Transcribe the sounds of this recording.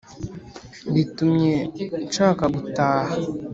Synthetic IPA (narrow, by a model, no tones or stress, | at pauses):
bitumɲent͡ʃaːkabutaːha